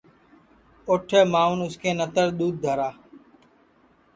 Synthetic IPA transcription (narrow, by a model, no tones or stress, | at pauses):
ʊʈʰəːmaːuːnʊskeːnət̪əɾɗ̪uːd̪̚d̪ʱəɾaː